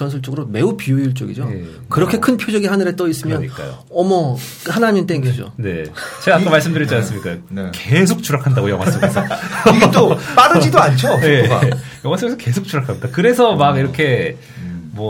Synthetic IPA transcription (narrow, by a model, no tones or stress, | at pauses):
ʌns̬ʰɯɭt͡ɕ͈oɡɯɾome̞upijouɭt͡ɕ͈oɡḭd͡ʑoj | kɯɾʌkʰe̞kʰɯnpʰjod͡ʑʌɡihanɯɾe̞t͈ʌis͈ɯmjʌnɲik͈a̰jo̰ | ʌmʌ | hanamjʌnt͈eŋɡed͡ʑo̰ne̞̰t͡ɕe̞ɡaːk͈amaɭs͈ɯmdɯɾit͡ɕians͈ɯmik͈akesʰok̚t͡ɕ͈uɾakʰandaɡojʌŋwas͈ʰoɡisʰʌtop͈aɾɯd͡ʑidoant͡ɕʰojeɡa̰jʌŋwas͈ʰɯesʰʌke̞sʰok̚t͡ɕ͈uɾakʰamid̥akɯɾe̞sʰʌmaɡiɾʌkʰe̞ | mwʌ